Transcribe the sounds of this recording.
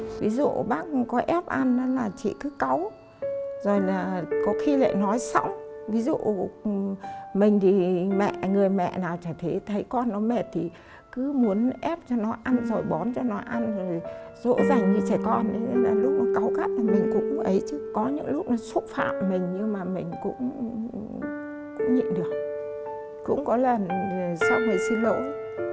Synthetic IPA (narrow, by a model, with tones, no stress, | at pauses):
vi˨˦zṵ˧˨ɓaː˦˥k̚kɔ˨˦ʔɛ˦˥p̚ʔa˧na˨˦laː˨˩t͡ɕḭ˧˨kɨ˨˦ka˨˦w | zo˨˩jlaː˨˩kɔ˨˦xi˧la̰ː˧˨jnɔ˨˦jsa̰˧˥wvi˨˦zṵ˧˨ | mï˨˩ŋ̟t̪ʰi˨˩mɛ̰˧˨ŋɨ˨˩əjmɛ̰˧˨naː˨˩wt͡ɕaː˧˩t̪ʰe˨˦t̪ʰə˨˦jkɔ˧nːɔ˨˦me˨˩t̚t̪ʰi˨˩ | kɨ˨˦mu˨˦ənʔɛ˦˥p̚t͡ɕɔ˧nɔ˨˦ʔa˧nzo˨˩jɓɔ˨˦nt͡ɕɔ˧nɔ˨˦ʔa˧nzo˨˩jzo̰˧˥zaː˨˩ŋɗi˧˩t͡ɕaː˧˩jkɔ˧nɗe˨˦laː˨˩lʊ˦˥k͡p̚nɔ˨˦ka˨˦wka˦˥p̚lʰa˨˩mï˨˩ŋ̟kʊ̰˧˥ŋ͡mʔə˨˦jt͡ɕɨ˨˦kɔ˨˦ɲɨ̰˧˥ŋlʊ˦˥k͡p̚nɔ˨˦su˦˥t̚fa̰ː˧˨mːï˨˩ŋ̟ɲɨ˧maː˨˩mï˨˩ŋ̟kʊ̰˧˥ŋ͡m | kʊ̰˧˥ŋ͡mɲḭ˧˨nɗɨ˨˩ək̚ | kʊ̰˧˥ŋ͡mkɔ˨˦lə˨˩nsa˧wvə˨˩jsi˧nlo̰˧˥